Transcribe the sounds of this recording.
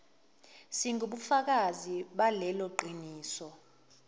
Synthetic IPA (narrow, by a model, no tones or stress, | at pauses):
siŋʱuɓufak̬aziɓalɛlɔǃʱiniːsɔ